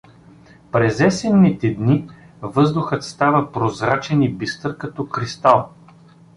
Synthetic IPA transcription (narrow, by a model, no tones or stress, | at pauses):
pɾɛzɛsɛnːit̪ɛd̪ni | vɤzd̪ʊxət̪st̪avəpɾozɾat͡ʃɛnibist̪ɤɾkɐt̪ɔkɾist̪alˠ